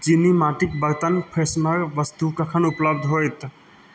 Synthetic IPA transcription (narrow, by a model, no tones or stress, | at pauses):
d͡ʒinimaʈikbəɾt̪ənpʰesnəɾʋəst̪ukəkʰənʊpləbd̪ʱɦojt̪